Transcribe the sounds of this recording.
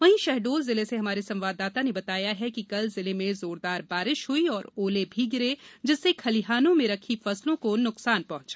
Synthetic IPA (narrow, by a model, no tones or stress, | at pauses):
ʋɐɦĩʃɛɦɖoːlzɪleseɦɐmaːɾisɐ̃mʋaːd̪aːt̪anebɐt̪aːjaɦɛkikɐlzɪlemẽzoːɾd̪aːɾbaːɾɪʃɦʊiɔːɾoːlebʱiɡɪɾed͡ʒɪsːekʰɐliɦaːnõmẽɾɐkʰifɐslõkonʊksaːnpɐɦʊ̃t͡ʃḁː